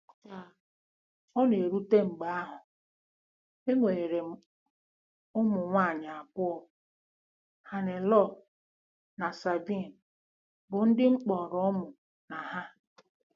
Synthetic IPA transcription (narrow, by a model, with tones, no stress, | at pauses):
ka˨ | ɔ˦ne˨ɾu˦te˦ŋ͡m̩˨ɡ͡ba˨˦a˦ɦʊ˨ | e˦ŋʷe˨ɾe˨m̩˦ | ʊ˦mʊ˨ŋʷa˦˨ɲa˨a˨pʊ˦ɔ˨ | ha˨nɪ˨lɔ˦˨ | na˨sa˨bi˦˨n̩˨ | bʊ˨n̩˦dɪ˦ŋ͡m̩˦k͡pɔ˨ɾɔ˦mʊ˨ | na˨ɦa˦